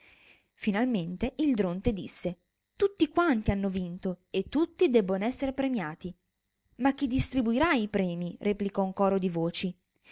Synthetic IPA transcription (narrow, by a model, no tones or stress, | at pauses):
finalment̪eʔild̪ɾont̪ed̪isːe | t̪ut̪ːikwant̪ianːovint̪oet̪ːut̪ːid̪ɛbːonoɛsːeɾepɾemjaːt̪i | mak̟ːid̪ist̪ɾibuiɾaipɾɛːmirʔeplikɔuŋkɔːɾod̪ivoːt͡ʃi